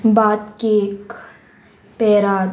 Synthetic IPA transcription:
baːt̪kieːk | pɛːɾaː

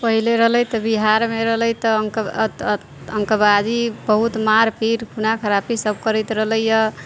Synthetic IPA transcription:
pəɦileɾəɦləjt̪ɔbiɦaɾmeɾəɦləjt̪əŋk̪ | əŋkəbad͡ʒibəɦut̪maɾpiɾkʰunakʰəɾapʰisəb̚kəɾəjt̪ɾəɦləjjə

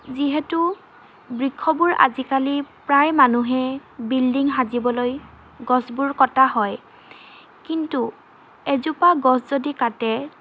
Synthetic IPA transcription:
ziɦɛtu | bɹikʰːɔbuɹa̰zikalipɹajmanuɦɛbildiŋɦazibɔloj | ɡɔsbuɹkɔtaɦɔj | kintu | ezupaɡɔszodikatɛ

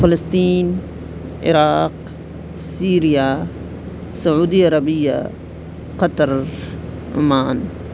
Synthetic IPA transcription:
fɪlɐst̪iːn | ɪ̰ɾaːq | siːɾija | sɐʕuːd̪iɐɾɐbija̰ | qɐt̪ɐɾ̰ | maːn

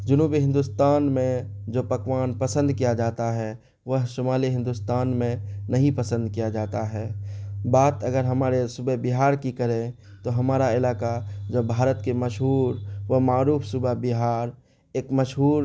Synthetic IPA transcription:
d͡ʒʊnuːbiɦɪ̃nd̪ʊst̪aːnmẽd͡ʒoːpɐkʋaːnpəsə̃nd̪kijad͡ʒaːt̪aɦɛ | ʋəɦʃʊmaːliɦɪ̃nd̪ʊst̪aːnmẽnɐɦĩpəsə̃nd̪kijad͡ʒaːt̪aɦɛːbaːt̪ɐɡəɾɦɐmaːɾesʊbəɦbɪɦaːɾkikɐɾẽ | t̪oɦɐmaːɾaɪlaːkad͡ʒobʱaːɾət̪kemɐʃɦuːɾʋəmaːɾuːfsʊbəɦbɪɦaːɾ | eːkmɐʃɦuːɾ

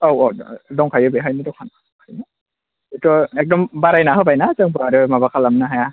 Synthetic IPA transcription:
owɔdɔŋkʰajɯbeɦajnidɔkʰana | kʰajnɯ | etɔek̚dɔmbaɾajnaɦɯbajnasɯŋbɯaɾɯmabakʰalamnaɦaja

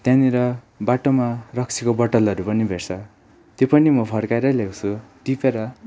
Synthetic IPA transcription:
t̪jãniɾʌ | baʈomarʌkt͡sʰikobʌʈʌlʌɾupʌnibʱert͡sʰʌ | t̪jopʌnimʌpʰʌrkaeɾʌlewt͡sʰuʈipeɾʌ

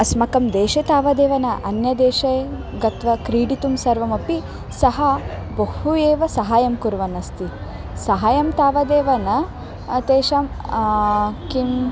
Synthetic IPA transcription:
ɐsmɐkɐmd̪eːʃet̪aːʋɐd̪eːʋɐnɐʔɐnjɐd̪eːʃe | ɡɐt̪ʋɐkɾiːɽit̪umsɐɾʋɐmɐpi | sɐɦɐbɐhueːʋɐsɐɦaːjɐmkuɾʋɐnɐst̪i | sɐɦaːjɐmt̪aːʋɐd̪eːʋɐnɐ | t̪eːʃɐm | kim

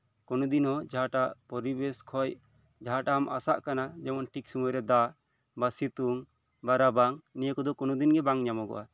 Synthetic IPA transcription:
kɔnɔd̪inhɔd͡ʒaɦaʈaʔpɔɾibɛskʰɔj | d͡ʒaɦaʈamasaʔkanad͡ʒɛmɔnʈʰiksumuɾɛd̪a | basit̪uŋ | baɾabaŋnijəkɔd̪ɔkɔnɔd̪inɡɛbaŋɲamɔɡɔ̰ʔa̰

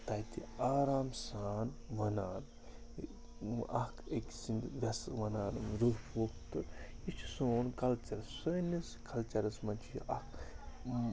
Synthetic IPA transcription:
t̪ajt̪iaːɾaːmsaːnʋɐnaːn | ɐ̰keksind̪ʋʲɐsʋɐnaːnzuɾpʰuːkt̪ɨit͡ʃʰi̥soːnkɐlt͡ʃɐɾɐssəniskʰɐlt͡ʃɐɾɐsmɐnt͡ʃʰijiʔɐk

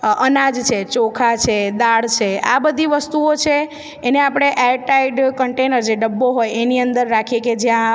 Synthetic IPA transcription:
ʔənãd͡ʒt͡ʃʰet͡ʃokʰat͡ʃʰed̪aɽt͡ʃʰea̰bəd̪ʱiʋəst̪uot͡ʃʰeː | neapɽ̃eʔɛɾʈaiɖkəɳʈenəɾd͡ʒeɖəbːoɦojeniənd̪əɾːakʰieked͡ʒjã

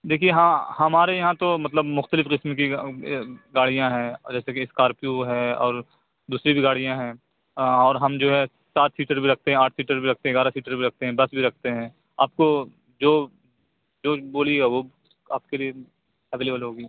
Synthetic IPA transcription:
d̪eːkʰieɦãhɐmaːɾejɐɦãt̪omɐt̪ləbmʊxt̪əlɪfqɪsmki | ɡaːɽijãɦɛ̃ːd͡ʒɛːsekiɪskaːɾpjuɦɛ̃ːɔ̰ːɾ | d̪uːsɾibʱiɡaːɽijãɦɛ̃ː | ɔːɾɦɐmd͡ʒoːɦɛ | saːt̪ʰsiːʈəɾbʱiɾɐk̚ʰt̪eɦɛ̃aːʈʰsiːʈəɾbʱiɾɐk̚ʰt̪eɦɛ̃ɡaːɾasiːʈəɾbʱiɾɐk̚ʰt̪eɦɛ̃bɐsbʱiɾɐk̚ʰt̪eɦɛ̃ː | a̰ːp̚ko | d͡ʒoː | d͡ʒoːboːlieɡaʋo | aːp̚kelie | ɛʋeːleːbəlɦoːɡi

